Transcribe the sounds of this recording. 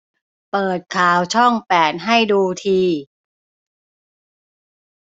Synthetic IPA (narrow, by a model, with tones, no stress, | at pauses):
pɤː˨˩t̪̚kʰaː˨˩˦wt͡ɕʰɔ˥˩ŋpɛː˨˩t̪̚ɦa˥˩jduː˧t̪ʰiː˧